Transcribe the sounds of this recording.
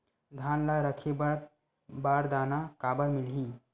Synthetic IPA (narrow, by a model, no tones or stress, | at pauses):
d̪ʱaːnlaɾəkʰebɾ | baːɾd̪aːnakaːbəɾmɪlɦĩ